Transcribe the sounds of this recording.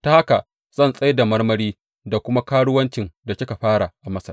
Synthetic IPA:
ta˨ha˦ka˨ | z̥ɐ˦˨nsʼɐ˦jda˨mɐ˦rmɐ˦ɽiː˦ | da˨kʷʊ˦ma˦kaː˦ɽʊ˦wɐ˦nt͡ʃɪ˨nda˨kʲɪ˦ka˨ɸaː˦ɽa˨ʔa˨mɐ˦sɐ̰˨

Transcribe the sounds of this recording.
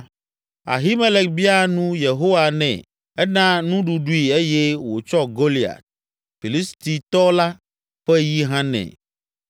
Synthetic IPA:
a̰˨ɦi˦me˦le˨kbi˦a˦nũ˦je˨ɦo˦wa˨nɛ̰̃˨ | ɛ˦nã˦nũ˦ɖu˨ɖu˦i˨e˦jɛ˦wo˨t͡ʃɔ˦ɡo˦li˨a̰˨t̪̚ | fi˨li˦st̪i˨t̪ɔ˦la˦ | ɸɛ˦ji˦ɦã˦nɛ̰̃˨

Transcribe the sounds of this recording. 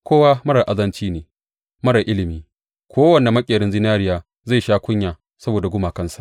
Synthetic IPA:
kʷoː˦wa˦mɐ˦ɽɐ˨ʔa˨zɐ˦nt͡ʃiː˦neː˨ | mɐ˦ɽɐ˨ʔɪ˦lɪ˨miː˦ | kʷʰoː˦wɐ˨na˨mɐ˦kʲʼɪː˨ɾɪ˦nzɪ˦naː˦ɾɪ˦jaː˨ | za˦˨ʃaː˦kʷʊ˦ɲjaː˨ | sɐ˦boː˨da˨ɡʷʊ˦maː˨kɐ˦nsḁ̰˨ʔ

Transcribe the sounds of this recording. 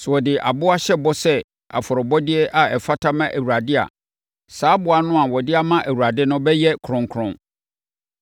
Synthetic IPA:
swɔ˨dɪ˨ʔa̰˨bʊ˦a˦ɕɛ˦bɔ˦sɛ˦ | a̰˨fɔ˨ɾɔ˨bɔ˦dɪ˦ɛ˦ʔa˨ɛ˨fa˦tʰa˦mã˦ʔæ˨wu˨ɾa˨dɪ˦a̰˨ | saː˨˦bʊ˨a˨nʊ̃˦a˨wɔ˨dɪ˦a˦mã˦ʔæ˨wu˨ɾa˨dɪ˦nʊ̃˦bɛ˦jɛ˦kʰɾʊ̃˨ŋkʰɾʊ̃˦ŋ

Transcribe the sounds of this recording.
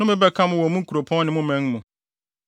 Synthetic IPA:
ʊ̃˦mɪ̃˦bɛ˦kʰa˦mʊ̃˦wɔ˨mũ˦kʰu˨ɾo˨pʰɔ̃˦n˦nɪ̃˨mʊ̃˦mɛ̃˨˦ŋmũ˨

